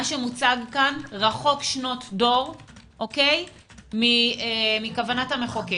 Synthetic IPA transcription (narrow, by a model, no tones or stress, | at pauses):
aʃemut͡saɡkanʁaχo̞kʃno̞tdo̞ʁʔokej | miemikavanatameχoki